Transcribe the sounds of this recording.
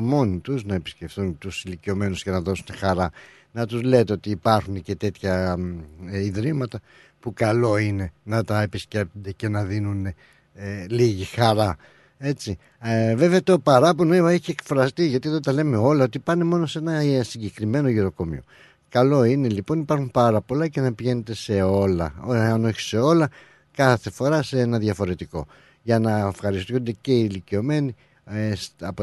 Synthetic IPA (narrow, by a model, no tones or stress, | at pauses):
mo̞nit̪uznɐepi̥sce̞fθunt̪usilicio̞me̞nuscenɐðo̞sune̞xɐɾɐ | nɐt̪uzlet̪eo̞t̪iːpɐɾxunece̞t̪e̞t̪çɐ | iðɾimɐt̪ɐ | pukɐlo̞ine̞nɐt̪ɐe̞pisce̞p̚t̪ond̪e̞ce̞nɐðinune | liʝixɐɾɐ | e̞t͡si | ve̞veɐt̪o̞pɐɾɐponoeɐeçiekfɾɐst̪iʝɐt̪ieðot̪ɐle̞me̞o̞lɐo̞t̪ipɐne̞mo̞no̞se̞nɐsiɲɟe̞kɾime̞no̞ʝiɾo̞ko̞mḭo̞̰ | kɐlo̞ine̞lipo̞nipɐɾxumpɐɾɐpo̞lɐce̞nɐpiʝe̞ne̞t̪e̞se̞o̞lɐ̰oɐno̞çi̥se̞o̞lɐ | kɐθe̞fo̞ɾɐseenɐðjʝɐfo̞ɾe̞t̪iko̞̰ | ʝɐnɐefxɐɾist̪und̪e̞ce̞ilicio̞me̞ni | esɐpo